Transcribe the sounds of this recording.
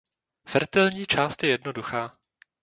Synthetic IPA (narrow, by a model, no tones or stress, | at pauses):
fɛɾt̪ɛlɲiːt͡ʃaːst̪jɛjɛdnoduxaː